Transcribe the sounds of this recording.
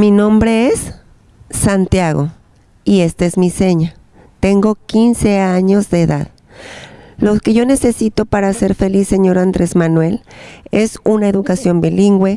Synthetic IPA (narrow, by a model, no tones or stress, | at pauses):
minõmbɾeesː | ant̪jaɣo̰ | iest̪aezmiseɲa | t̪eŋɡo̞kinseaɲo̞zðeːða̰ð | loke̞ʝo̞ne̞se̞sit̪opaɾaseɾfe̞lisːeɲo̞ɾand̪ɾezmanwe̞lesunaeðukasjo̞mbiliŋɡwe